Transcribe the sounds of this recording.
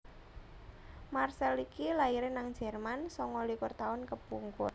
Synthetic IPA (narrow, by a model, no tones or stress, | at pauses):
marsɛlikilaiɾɪnaŋ̥ʒ̥ɛ̤rmansɔŋɔlikʊrt̪aʊnkəb̥uŋkʊ̰r